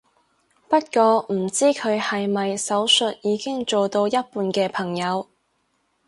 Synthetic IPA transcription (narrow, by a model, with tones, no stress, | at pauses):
pɐ˥t̚kɔː˧m̩˨˩t͡siː˥kʰɵ˨˧ɥhɐ˨jmɐ˨jsɐ˨˥wsɵ˨t̚jiː˨˧kɪ˥ŋt͡ʃo˨wt̪o˧wjɐ˥t̚puː˧nkɛː˧pʰɐ˨˩ŋjɐ˨˧w